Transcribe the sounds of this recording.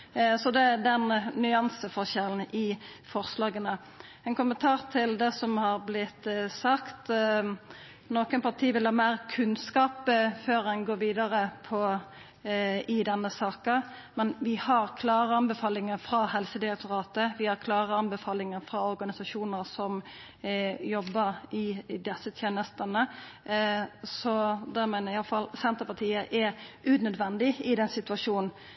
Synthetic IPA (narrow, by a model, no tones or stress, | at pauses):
sɔd̪ɛd̪ɛnnʏɑnsəfɔʁʃɛln̩ɪfɔʁslɑːɡənə | ɛnkʊmənt̪ʰɑːʁt̪ʰɪld̪ɛsɔmhɑɾblɪt̪ːsɑkt̪ | noːkənpʰɑʁʈ̪ʰiːʋɪlhɑːmeːɾkʰʉnskɑːpføːɾɛnɡoːɾʋiːd̪ɑɾəpʰɔ | ɪd̪ɛnːəsɑːkə | mɛnʋɪhɑɾkʰlɑːɾəɑnbɛfɑːlɪŋəɾfɾɑhɛlsəd̪ɪɾɛk̚t̪ʊɾɑːt̪əʋɪhɑɾkʰlɑːɾəɑnbɛfɑːlɪŋəɾfɾɑɔɾɡɑnɪsɑʂuːnəɾsɔm | jɔbːəɾɪd̪ɛsːət̪ʰjeːnəst̪ənə | sɔd̪ɛmæɪnəɾɪɑlfɑlsɛnt̪əpɑt̪ʰiːəʔɛɾʉnœd̪ʋɛnd̪ɪɪd̪ɛnsɪt̪ʉɑʂuːnn̩